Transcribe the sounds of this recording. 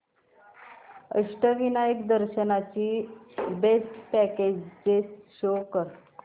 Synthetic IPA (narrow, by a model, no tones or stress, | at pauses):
ə̰ɕʈəʋinajikd̪əɾɕənat͡ɕiːbesʈpɛked͡ʑd͡zet͡sɕokəɾ